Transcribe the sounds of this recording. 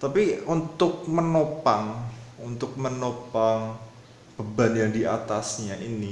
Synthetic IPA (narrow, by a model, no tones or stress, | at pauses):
t̪apiunt̪ʊk̚mənopaŋunt̪ʊk̚mənopaŋ | b̥əbanjaŋdia̰t̪asɲaʔini